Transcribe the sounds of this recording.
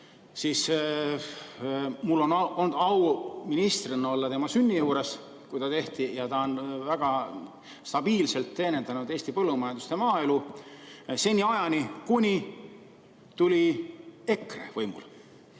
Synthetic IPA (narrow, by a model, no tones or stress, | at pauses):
siːs | mulːo̞nond̪̥ɑwminist̪rinːɑo̞lːɑt̪e̞mɑsynʲːijuːɾes | kujt̪ɑt̪e̞ht̪ijɑt̪ɑo̞nvæɡ̥ɑ | st̪ɑb̥iːlse̞lt̪ːe̞ːne̞nd̪ɑnud̪e̞ːst̪ipɤlːumɑjɑnd̪ust̪e̞mɑːe̞lu | se̞nʲːiɑjɑnʲikunʲi | t̪ulʲie̞krḛvɤjmṵl